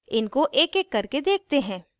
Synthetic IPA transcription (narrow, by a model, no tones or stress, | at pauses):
ɪnkoʔeːkeːkːɐɾked̪eːk̚t̪eɦɛ̃ː